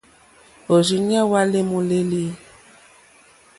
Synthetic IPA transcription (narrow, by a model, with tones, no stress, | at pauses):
o˨zi˨ɲ˦ɛ˦wa˦le˦mu˨le˦li˦